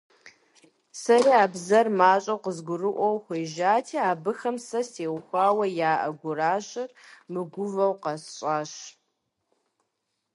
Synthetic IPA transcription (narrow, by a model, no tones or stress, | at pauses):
sɐɾiːaːbzɐrmaːɕʼɐwqəzɡʷʊrɨʔʷɔwxʷeːʒaːtʰiːaːbɨxɐmsɐseːwxʷaːwɐjaːʔɐ̰ɡʷʊraːɕɪrmɨɡʷʊvɐwqɐsɕʼaːɕ